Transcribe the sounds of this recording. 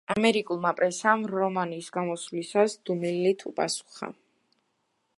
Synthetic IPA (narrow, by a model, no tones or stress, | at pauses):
amɛɾikʼulˠmapʼɾɛsamɾɔmaniːsɡamɔslisasd̪̥umilːit̪ʰupʼa̰su̥χa̰